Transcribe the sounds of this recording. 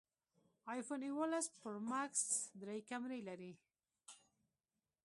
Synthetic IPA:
ɑjfoniwalespəɾmaksd̪ɾajkamɾejlaɾi

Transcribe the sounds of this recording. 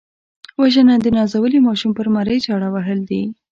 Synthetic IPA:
waʒənad̪ənɑzawəlimɑʃumpəɾmaɾəjt͡ʃɑɽawaɦəld̪i

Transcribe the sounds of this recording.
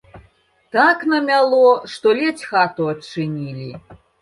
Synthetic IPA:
t̪aknɐmʲalˠɔʂt̪ɔlʲɛt͡sʲxat̪uɐt͡ʂɨnʲilʲi

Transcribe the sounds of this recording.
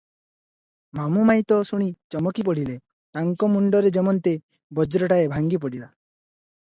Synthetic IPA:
mamumajt̪ɔsuɽ̃it͡ʃɔmɔkip̬ɔɽ̤ile | t̪aŋkɔmuɳɖɔɾed͡ʒemɔnt̪e | bɔd͡ʒɾɔʈaebʱaŋɡip̬ɔɽila

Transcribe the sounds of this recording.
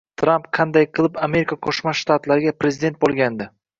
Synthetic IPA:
t̪ʰɾampqʰɑnd̪ajqʰɨlˠɪpame̞ɾikʰaqʰoʃmaʃt̪at̪laɾɪɡʲapɾe̞zɪd̪e̞nt̪̚bolˠɡʲand̪ɪ

